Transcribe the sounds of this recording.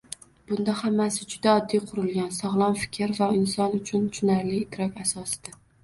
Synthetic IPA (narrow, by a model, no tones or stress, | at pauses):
b̥ʊnd̪ahamːasɪd͡ʒʊd̪aɒd̪ːijqʰʊɾɪlˠɡʲansɒʁlˠɒnfɪ̥kʲʰɪɾvaɪnsɒnʊt͡ʃʰʊnt͡ʃʰʊnaɾlɪːt̪ʰɾɒkʲasɒsɪd̪̥a